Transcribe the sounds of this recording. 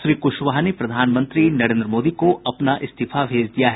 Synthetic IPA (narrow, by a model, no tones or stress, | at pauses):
ʃɾiːkʊʃʋaɦnepɾɐd̪ʱaːnmə̃nt̪ɾinɐɾẽːnd̪ɾəmoːd̪ikoɐpnaʔɪst̪ifʰabʱeːd͡ʒd̪ijaɦɛ